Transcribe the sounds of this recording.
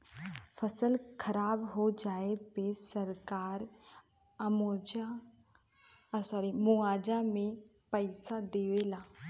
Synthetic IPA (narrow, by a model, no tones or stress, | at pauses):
fʰəsəlkʰəɾaːbɦod͡ʒaːepesəɾkaːɾ | moːd͡ʒa | saːɾemʊaːd͡ʒamẽ | pəɪsad̪eːʋelaː